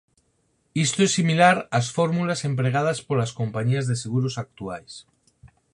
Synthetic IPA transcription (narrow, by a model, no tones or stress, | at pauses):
ist̪oesːimilaɾasfoɾmulasempɾeɣ̞að̞aspolaskompaɲiazðeseɣuɾosak̚t̪uajs